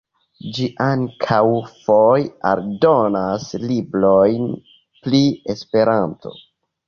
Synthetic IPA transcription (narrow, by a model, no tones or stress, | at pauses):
d͡ʒiʔaŋkʰawfoja̰ɾdo̞naslibɾo̞jn | pliespe̞ɾantʰo̞̰